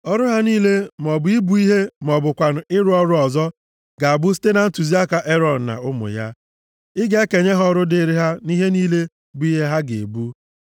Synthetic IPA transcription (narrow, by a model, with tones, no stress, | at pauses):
ɔ˦ɾʊ˦ɦa˦niː˦le˦m˨ɔ˨bʊ˨i˦bu˦i˦ɦe˦mɔ˨bʊ˨kʷa˨n̩˨ɪ˦ɾʊ˦ɔ˦ɾʊ˦ɔ˨zɔ˦ | ɡa˨a˨bʊ˦s̬i̥˦te˦na˨n̩˦tu˨zi˦a˦ka˨ʔe˦ɾɔ˨n̩˨na̰˨ʊ˦mʊ̰˨ja˦ | ɪ˦ɡe˦e˦ke˨ɲe˦ɦɔ˦ɾʊ˦dɪ˦ɾɪ˦ɦa˦ni˦ɦe˦niː˦le˦ | bʊ˦i˦ɦe˦ɦa˦ɡḛ˨bu˦